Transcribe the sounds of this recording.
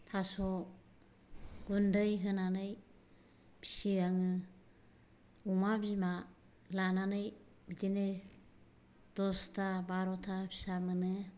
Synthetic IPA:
tʰasɔ | ɡundɯjɦɯnanɯj | pʰi̥siaŋɯ | umabizma | lananɯj | bitinɯ | d̥ɔstʰabaɾɔtʰapʰi̥samɯnɯ

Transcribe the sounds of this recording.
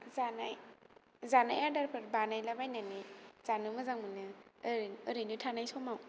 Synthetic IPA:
zanaj | zanajaɾdaɾpʰɯɾbanajlabajnanez̥anumɐzaŋmunɯɾːɾinutʰanajsomaw

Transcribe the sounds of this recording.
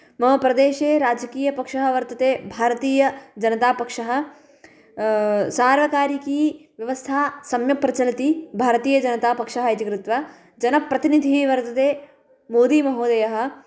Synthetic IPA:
mɐɦɐpɾɐd̪eːʃeːɾaːd͡ʒɐkiːjɐpɐkʂɐɦɐʋɐɾt̪ɐt̪eːbʱaːɾɐt̪iːjɐd͡ʒɐnɐt̪aːpɐkʂɐɦɐ̆ | saːɾʋɐkaːɾikiːʋjɐʋɐst̪ʰaːsɐmjɐpɾɐt͡ʃɐlɐt̪ibʱaːɾɐt̪iːjɐd͡ʒɐnɐt̪aːpɐkʂɐɦɐit̪ikɾɪt̪ʋɐ | d͡ʒɐnɐpɾɐt̪inid̪ʱiʋɐɾt̪ɐt̪eː | moːd̪iːmɐɦoːd̪ɐjɐɦɐ̆

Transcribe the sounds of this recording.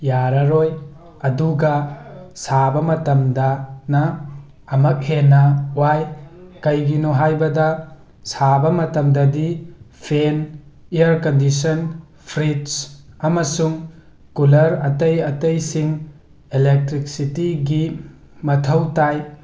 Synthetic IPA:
jaɾɐɾoj | ɐduɡɐsabɐmɐtɐmdɐnɐː | mɐk̚henɐwajkɐjɡinoɦajbɐdɐ | sabɐmɐtɐmdɐdipʰeniɐɾkɐndisɔn | pʰɾidsɐmɐsuŋ | kulɐɾɐtɐjɐtɐjsiŋ | elek̚tɾik̚sitiɡi | mɐtʰɐwtaj

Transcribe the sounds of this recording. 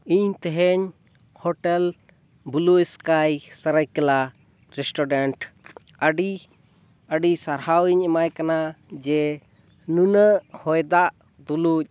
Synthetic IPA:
iɲt̪ɛɦɛɲ | hɔʈɛl | buluskajsəɾəjkəla | ɾɛsʈɔɖɛɳʈ | əɖi | əɖisaɾhawiɲɛmajkanad͡ʒɛ | nunəʔhɔjd̪aʔ | d̪uluc̚

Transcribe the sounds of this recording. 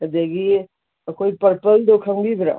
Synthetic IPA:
d̪ekʰie | koːipəɾpəld̪okʰə̃mbʱiːd̪ɾa̰

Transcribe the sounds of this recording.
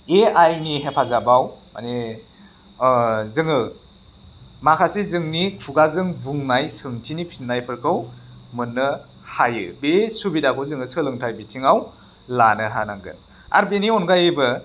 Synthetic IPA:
eajniɦepʰazabawma̰ne | zɯŋɯ | makʰasizɯŋnikʰuɡazɯŋbuŋnajsɯŋtʰinipʰinːajpʰɯɾkʰɯwmɯnːɯ | hajɯbesubidakʰɯwzɯŋɯsɯlɯŋtʰajbitʰiŋaw | lanɯɦanaŋɡɯ̰n | a̰ɾbeniɔnɡajebɯ

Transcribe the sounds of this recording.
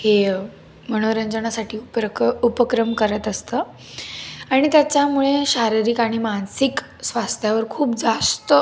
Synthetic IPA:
he | məɽ̃oɾəɲd͡ʑəɳasaʈiːupəupəkɾəmkəɾət̪əst̪ə | aɽ̃it̪jat͡ɕjamuɭeɕaɾiɾiːkaɽ̃imansik | sʋast̪ʰjaʋəɾkʰuːpd͡zast̪ə

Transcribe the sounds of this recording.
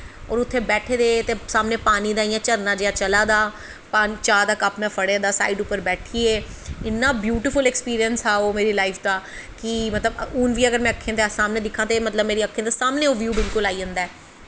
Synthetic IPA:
ɔ̰ːɾʊt̪ʰːeːbɛːʈʰeːd̪eːt̪eːsaːmneːpaːniːd̪aːijãːt͡ʃəɾnaːd͡ʒɪjaːt͡ʃəlaːd̪aː | paːnit͡ʃaːd̪aːkəpmɛ̃ːpʰəɽeːd̪aːsa̰ːiːɖʊpːəɾbɛːʈʰiːeː | ɪnːaːbjuːʈɪfʊlɛkspiːɾiənsaːoːmeːɾiːlaːiːfʰd̪aː | kɪmət̪ləbuːnʋiːəɡəɾmɛ̃ːəkʰːẽːd̪esaːmnẽːd̪ɪkʰːãːt̪eːmət̪ləbmeːɾiːəkʰːẽːd̪aːsaːmnẽːoːʋjuːbɪlkʊlaːiːə̃nd̪aːɛː

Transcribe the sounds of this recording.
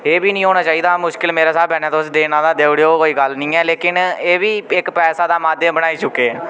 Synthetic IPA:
eːbiːnĩːɦoːɽ̃aːt͡ʃaːiːd̪aːmʊʃkɪlmeːɾaːsaːbɛːneaːt̪oʊsd̪eːnãːd̪aːd̪eːʋɽejoːkoːiːɡəlnĩːɛːleːkɪneːʋiːɪkpɛːsaːd̪aːmaːd̪jəmbəɽ̃aːiːt͡ʃʊkːeːɛː

